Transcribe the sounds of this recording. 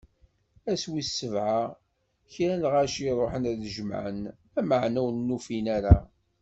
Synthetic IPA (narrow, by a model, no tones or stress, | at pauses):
æswisːəvʕa | çɾænʁæʃiɾˤoħənæðʒəm̰ʕə̰n | æməʕnæwnːufinæɾa